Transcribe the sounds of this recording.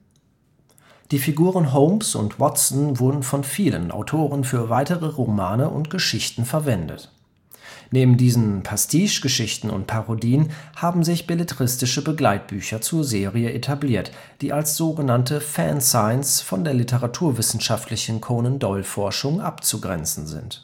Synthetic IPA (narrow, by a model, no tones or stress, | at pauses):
d̥iːfiɡuːʁənɦoʊmsʊ̰ntwɔtt͡sn̩vʊɐdn̩fɔnfiːlə̰nʔa̰ʊtʰoːʁənfyːɐvaɪtəʁəʁomaːnəʔʊ̰ntɡ̥əʃɪçtn̩fɛɐvɛndə̰t | neːbm̩diːzn̩pʰɛstʰiːʃɡ̥əʃɪçtn̩ʊ̰ntpʰaʁodiːənhaːbm̩zɪçb̥eletəʁɪstɪʃəbəɡlaɪt̚b̥yːçɐt͡suːɐzeːʁiəʔetʰabliːɐt | d̥iːʔalsz̥oːɡənantəfɛnsaɪnsfɔndeːɐlɪtəʁatʰuːɐvɪsn̩ʃaftʰlɪçn̩kʰoːnəndɔʏlfɔɐʃʊŋʔapt͡suɡʁɛ̰nt͡sn̩zɪ̰nt